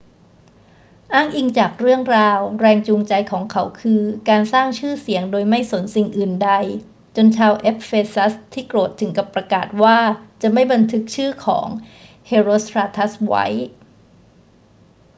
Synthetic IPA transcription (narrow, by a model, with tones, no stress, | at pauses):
ʔaː˥˩ŋʔi˧ŋt͡ɕaː˨˩k̚ɾɯ˥˩əŋɾaː˧wɾɛː˧ŋt͡ɕuː˧ŋt͡ɕa˧jkʰɔː˩˦ŋkʰa˦˥wkʰɯː˧kaː˧nsaː˥˩ŋt͡ɕʰɯː˥˩si˨˩˦əŋdoː˧jma˥˩jso˩˦nsi˨˩ŋʔɯː˨˩nda˧j | t͡ɕo˧nt͡ɕʰaː˧wʔe˦˥p̚feː˧sa˦˥st̪ʰːiː˥˩kɾoː˨˩t̪ʰːɯ˩˦ŋka˨˩pːɾa˧kaː˨˩t̪̚waː˥˩t͡ɕa˨˩ma˥˩jba˧nt̪ʰɯ˦˥k̚t͡ɕʰɯː˥˩kʰɔ̰ː˩˦ŋ | heː˧ɾoː˧st̪ʰɾaː˧t̪ʰa˦˥swa̰˦˥j